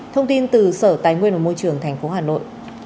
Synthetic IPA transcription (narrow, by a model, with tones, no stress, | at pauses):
t̪ʰə˧wŋ͡mt̪i˧nt̪ɨ˨˩səː˧˩t̪aː˨˦jŋwi˧ənma˨˩mo˧jt͡ɕɨ˨˩əŋt̪ʰɛ˨˩jŋ̟fo˨˦haː˨˩no̰˧˨jʔ